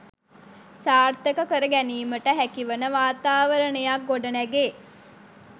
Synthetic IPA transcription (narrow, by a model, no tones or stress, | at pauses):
saːrt̪əkəkəɾəɡæniːməʈəɦækiʋənəʋaːt̪aːʋəɾəɳəjak̚ɡoɖənæɡe